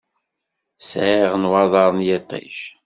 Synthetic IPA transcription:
sʕiʁənwɑðˤɑɾˤənjɪt̪ˤḭʃ

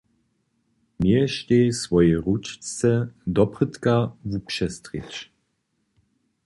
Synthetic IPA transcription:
mjɛʃteːsvɔjɛʁut͡ʃt͡sɛd̪ɔpʁət̪kavupʃɛst̪ʁit͡ʃ

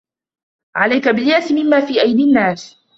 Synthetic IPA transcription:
ʕalajkabɪljaːsɪmɪmːaːfiːʔajd̪inːaːs

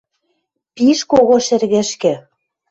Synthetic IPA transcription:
piʃkoɣoʃĕrɣɘ̆ʃkɘ̆

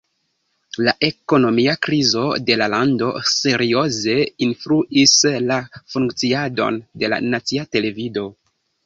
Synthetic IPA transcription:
laʔe̞ko̞no̞miakɾizo̞de̞lalando̞̰se̞ɾio̞ze̞influʔislafuŋkt͡siado̞̰nde̞la̰nat͡siate̞le̞vido̞

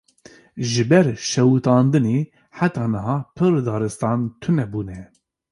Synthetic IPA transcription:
ʒɨbɛɾʃɛwut̪ɑːnd̪ɨneː | ħat̪ɑːnɨɦɑːpʰɨɾd̪ɑːɾɨst̪ɑːnt̪ʰɨnɛbuːnɛ

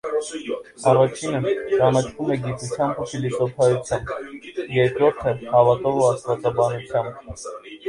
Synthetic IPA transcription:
ɑrɑt͡ʃʰinət͡ʃɑnɑt͡ʃʰvumɛɡit̪ut͡sʰjɑmbufʰilisɔpʰɑjut͡sʰjɑmbjɛɾkɾɔɾt̪ʰəhɑvɑt̪ɔvuɑsvɑt͡sɑbɑnut͡sʰjɑmb

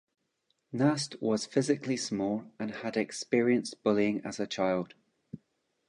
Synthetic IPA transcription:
nastwɔz̥fɪzɪkʰlˠismɔlˠə̃nədɛkspiɹiə̃nsb̥ʊlˠiɪ̃ŋə̰z̥ət͡ʃʰaɪlˠd̥

